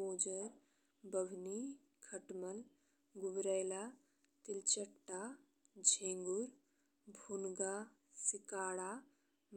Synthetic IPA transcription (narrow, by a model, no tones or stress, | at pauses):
oːd͡ʒəɾ | bəbʱni | kʰəʈməl | ɡubɾəjla | t̪ilt͡ʃəʈːa | d͡ʒʱẽːŋɡuɾ | bʱunɡa | sikaːɽa | m